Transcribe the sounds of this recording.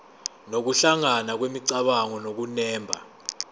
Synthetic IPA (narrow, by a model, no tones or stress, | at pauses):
nok̬uɬaŋanak̬wemiǀaɓaŋɔnok̬unɛːmbʱa̰